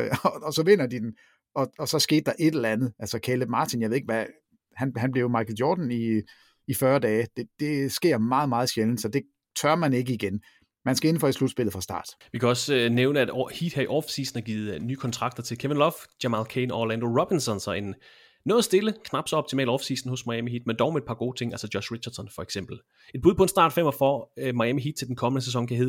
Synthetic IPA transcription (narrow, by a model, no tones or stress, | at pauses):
ɒ̽sɒ̽ʋe̝n̰ɐd̥id̥en | ɒ̽ɒ̽sɒ̽sɡ̥e̝̰ːd̥̚ːɑ̈ʔe̝d̥ellænð̞̩ˠʔælsɒkʰeleb̥mɑ̈ːt͡sʰinjɑɪʋeð̩ˠe̝ɡ̥ʋæ | hænhænb̥le̝ʊmɑ̈ɡ̥ʰð̩ˠjɒ̰ːd̥n̩i | ifɶɐd̥ɛːd̥e̝d̥e̝sɡ̥e̝ɐ̰mɑ̈ːð̞̩ˠmɑ̈ːð̞̩ˠɕeln̩sɒ̽d̥e̝ | t͡sʰɶɐmæne̝ɡ̥əiɡ̥en | mænsɡ̥æe̝n̩fɒ̽e̥slud̥sb̥e̝l̰ð̩ˠfʁɑ̈sd̥ɑ̰̈ːd̥ʋikʰæɒ̽søneʊnəæd̥hid̥hæɐiʔɒfsḭːsn̩æɐɡ̥iːð̩ˠnyːkʰɒ̽nt͡sʰʁɑ̈ɡ̥̚d̥ɐt͡sʰe̝lkʰeʋenlɒfd̥æmɑlkʰenɒolænd̥o̝ʁɒb̥insɒ̽nsɒ̽e̝nː | oðˠɐsd̥e̝ləkʰnɑ̈b̥sɒɒb̥̚t͡sʰimɛ̰ːld̥ɒfsḭːsn̩hɔ̽smɑ̈jæmiɦid̥mend̥ɒʊmeed̥̚pʰɑ̈ɡo̝ːt͡sʰe̝ŋʔælsɒjɒɕʁi̥ɕɐd̥sɒnfɒ̽eɡ̥sem̰b̥l̩ | ed̥̚buð̞ˠpʰɒ̽e̝nsd̥ɑ̰̈ːd̥fem̰ɒfɒmɑ̈jæmiɦid̥̚t͡sʰeld̥enkʰɒ̽mənəs̬esɒ̽ŋkʰæhe̝ðˠ